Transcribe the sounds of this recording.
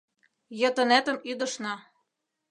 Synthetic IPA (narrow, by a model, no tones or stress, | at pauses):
jɤ̆t̪ɤ̆næt̪ə̆myd̪ɤ̆ʃnɑ